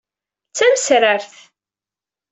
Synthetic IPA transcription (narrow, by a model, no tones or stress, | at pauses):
t͡sːæməsɾəɾθ